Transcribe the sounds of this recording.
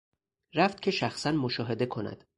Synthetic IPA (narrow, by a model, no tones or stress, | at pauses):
ɾæft̪̚cʲʰe̞ʃæxsænmoʃɒːɦe̞d̪e̞kʰo̞næ̰d̪̥